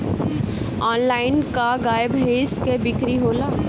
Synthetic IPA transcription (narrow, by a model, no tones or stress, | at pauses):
ɔːnlaːɪnkaɡaːjəbɦeːskebɪkɾiɦoːlaː